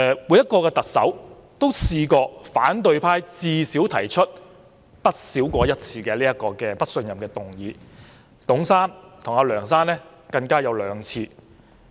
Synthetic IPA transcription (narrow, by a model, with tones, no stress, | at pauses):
ɛ˨wu˨˥jɐ˥t̚kɔː˧kɛː˧t̪ɐ˨k̚sɐ̰˨˥w | t̪o˥wsiː˧kɔː˧fa̰ː˨˥nt̪̬ɵ˧ɥpʰaː˥jt͡siː˧siː˨˥wt̪ʰɐ˨˩jt͡ʃʰɵ˥t̚ | pɐ˥t̚siː˨˥wkʷɔː˧jɐ˥t̚t͡sʰiː˧kɛː˧liː˥jɐ˥t̚kɔː˧kɛː˧pɐ˥t̚sɵ˧njɐ˨mkɛː˧t̪ʊ˨ŋjiː˨˧ | t̪ʊ˨˥ŋsaː˥nt̪ʰʊ˨˩ŋaː˧lœː˨˩ŋsaː˥nlɛː˥ | kɐ˧ŋkaː˥jɐ˨˧wlœː˨˧ŋt͡sʰiː˧